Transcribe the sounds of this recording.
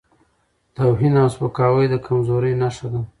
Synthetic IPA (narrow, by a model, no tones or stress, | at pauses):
t̪awɦinawspakɑwəjd̪əkʰamzoɾənaʂad̪a